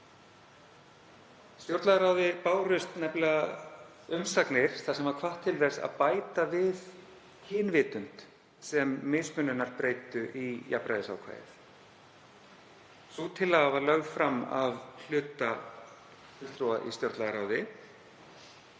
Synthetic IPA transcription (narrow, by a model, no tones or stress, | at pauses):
st̪joɾt̪laðaɾaːwðɪpaːwrʏst̪nɛplɪɣa | ʏmsaknɪɾ̥θasɛmvaɾkʰvaht̪ʰːɪlvɛɾsa̰ðpaːjt̪avɪð | hɪːnvɪːt̪ʏn̥t̪ | sɛmːɪsmʏnʏnːaɾpɾeːjt̪ʏʔijapɾa̰jðɪsa̰wkʰva̰ːjɪ̰θ | sut̪ʰɪlːaɣavaɾlœɣðfɾamːa̰vl̥ʏːt̪a | ɪst̪ɾuːa̰ʔḭst̪joɾt̪laðaɾawðɪ